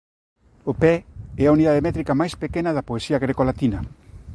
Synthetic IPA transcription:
opɛɛauniðaðemɛt̪ɾikamajspekenaðɐpoesiaɣɾekolat̪ina

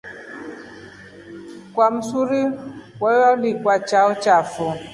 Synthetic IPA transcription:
kwam̩suɾiwɔjɔlikwat͡ʃaɔt͡ʃafɔ

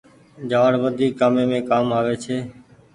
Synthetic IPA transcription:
d͡ʒaːɽʋəd̪ʱiːkːaːmẽːmẽːkaːmaːʋeːt͡ʃʰeː

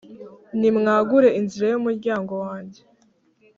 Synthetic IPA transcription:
nimŋaːɡuɾe̞inziɾajumuɾɟaːŋɡo̞waːɲɟe

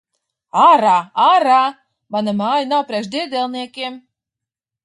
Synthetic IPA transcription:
aɾaaɾa | manamaːjanawpɾʲɛʃd̪ʲid̪ʲɛlˠniɛkʲiɛm

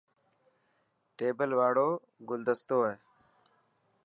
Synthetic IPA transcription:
ʈeːbəlʋaːɽoː | ɡʊld̪əst̪oːeː

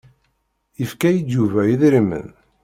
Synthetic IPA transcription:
əfkæjid̪ːuvæjiðɾimə̰n

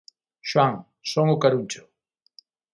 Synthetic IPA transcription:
ʃwaŋ | soŋʊkaɾut͡ʃʊ̥

